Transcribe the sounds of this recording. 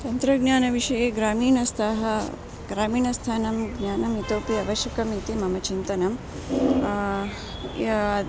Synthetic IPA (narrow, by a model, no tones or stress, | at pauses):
t̪ɐnt̪ɾɐɡɲaːnɐʋiʂɐjeːɡɾaːmiːnɐst̪ʰaːɦɐ | ɡɾaːmiːnɐst̪ʰaːnɐmɡɲaːnɐmit̪oːpiɐʋɐʃjɐkɐmit̪imɐmɐt͡ʃint̪ɐnɐm